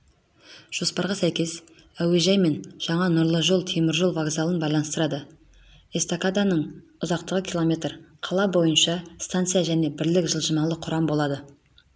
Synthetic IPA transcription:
ʒ̥o̞spɑɾʁɑsæjkʲe̞s | æweʒɑjme̞nʒ̥ɑɴɑnʊɾlˠəʒo̞lˠt̪ʰemɪɾʒolˠvaɡzalˠənbɑjlˠɑnəst̪əɾɑd̪ə | est̪okad̪anəɴʊzɑq̚t̪əʁəkʲʰilˠo̞mʲe̞t̪rqʰɑlˠɑbo̞jənʃɑst̪ant̪sɨjaʒæne̞bɪɾlɪkʒəlˠʒəmɑlˠəqʰʊɾɑmbo̞lˠɑd̪ə

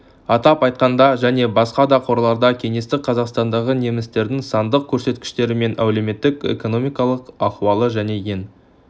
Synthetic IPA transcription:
ɑt̪ɑpɑjt̪̚qɑnd̪ɑʒæne̞bɑsqɑd̪ɑqʰo̞ɾlˠɑɾd̪ɑkʲʰe̞ŋe̞st̪ɪk̚qʰɑzɑqst̪ɑnd̪ɑʁəne̞mɪst̪e̞ɾd̪ɪŋsɑnd̪əq̚kʲʰɵɾse̞t̪kʲɪ̥ʃt̪e̞ɾɪme̞nʔæ̰wle̞me̞t̪ːɪkḛko̞no̞mijkɑlˠəqɑχuwɑlˠəʒæne̞je̞n

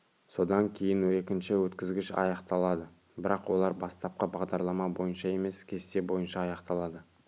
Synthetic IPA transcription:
so̞d̪ɑŋkʲʰe̞jɪnwe̞kʲɪnʃɪwɵt̪kʲɪzɡʲɪʃɑ̰jɑqt̪ɑlˠɑd̪ə | bɪɾɑqwo̞lˠɑɾbɑst̪ɑp̚qəbɑʁd̪ɑɾlˠɑmɑbo̞jənʃɑe̞me̞skʲʰe̞st̪ebo̞jənʃɑːjɑqt̪ɑlˠɑd̪ə

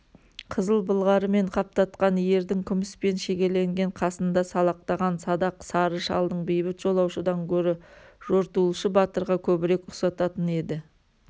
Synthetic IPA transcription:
qʰəzəlˠbəlˠʁɑɾəme̞ɴqʰɑp̚t̪ɑt̪qɑnje̞ɾd̪ɪŋkʲʰʏmɪspe̞nʃe̞kʲe̞le̞ŋɡʲe̞ɴqʰɑsənd̪ɑsɑlˠɑq̚t̪ɑʁɑnsɑd̪ɑqsɑɾəʃɑ̰lˠd̪əɴbejbɪt̪ʒ̥o̞lˠɑwʃəd̪ɑŋkʲʰɵɾɪʒ̥o̞ɾt̪ulˠʃəbɑt̪əɾʁɑkʲʰɵbɪɾe̞kʊsɑt̪ɑt̪əne̞d̪ɪ

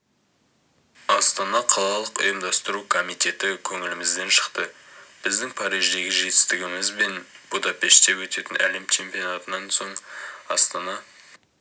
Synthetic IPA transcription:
ɑst̪ɑnɑqʰɑlˠɑlˠəqʊ̰jəmd̪ɑst̪əɾukʰo̞mijt̪e̞t̪ɪkʲʰɵŋɪlɪmɪzd̪e̞nʃə̥qt̪əb̥ɪzd̪ɪŋpʰɑɾijʒd̪e̞ɡʲɪʒe̞t̪ɪst̪ɪɡʲɪmɪzbe̞nb̥ud̪ɑpe̞ʃt̪t̪e̞wɵt̪e̞t̪ɪnʔæ̰le̞mt͡ʃʲʰe̞mpijo̞nat̪ənɑnso̞ɴɑ̰st̪ɑnɑ

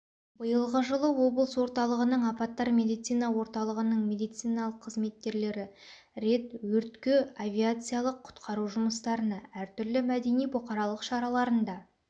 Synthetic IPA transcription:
bəjəlˠʁəʒəlˠəwo̞bəlˠəswo̞ɾt̪ɑlˠəʁənəɴɑpɑt̪ːɑɾmʲe̞d̪ijt̪sijnɑwo̞ɾt̪ɑlˠəʁənəɴmʲe̞d̪ijt̪sɨjnɑlˠəqʰːəzme̞t̪̚kʲːe̞ɾle̞ɾɪ | ɾe̞t̪wɵɾt̪kʲeavʲiat̪sɨjalˠəqʰːʊ̥t̪qʰɑɾuʒʊməst̪ɑɾənɑæɾt̪ʏɾlɪmæd̪e̞nijbʊqɑɾɑlˠəqʃɑɾɑlˠɑɾənd̪ɑ

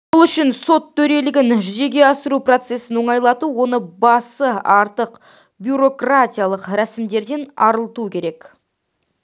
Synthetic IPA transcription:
wolˠʏʃɪnso̞t̪ʰːɵɾe̞lɪɡʲɪnʒʏze̞ɡʲe̞ɑsəɾupro̞t̪se̞sɪnwo̞ɴɑjlˠɑt̪uwo̞nəbɑsəɑɾt̪əq | bjuɾo̞krat̪ʲijalˠəqɾæsɪmd̪e̞ɾd̪e̞nɑɾəlˠt̪ukʲʰe̞ɾe̞k

